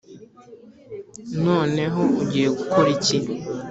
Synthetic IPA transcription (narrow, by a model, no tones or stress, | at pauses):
noːne̞ɦouɟijeɡukoɾicin